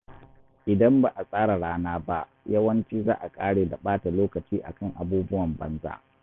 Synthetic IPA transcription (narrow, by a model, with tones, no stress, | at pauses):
ʔɪ˨dɐ˦mba˨ʔa˨sʼaː˦ɽa˨ɽaː˦naː˦ba˦ʔ | jɐ˦wɐ˦nt͡ʃiː˦za̰ː˦ʔa˨kʼaː˦ɽeː˨da˨ɓaː˦ta˨loː˦kɐ˨t͡ʃiː˦ʔa̰˨kɐ˦˨ŋʔa̰˨buː˦bʊ˦wɐ˨mbɐ̰˦nza̰˦ʔ